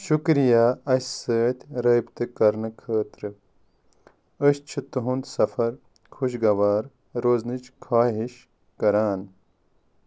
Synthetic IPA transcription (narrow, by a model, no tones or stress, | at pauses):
ʃukɾijaːɐssəːt̪ʲɾɐjbt̪ekɐɾnɐkʰɐːt̪ɾɐ | ɐɕt͡ʃʰut̪uɦund̪sɐfɐɾ | kʰuɕɡɐʋaːɾ | ɾoznit͡ʃkʰaːɦiɕ | kɐɾaːn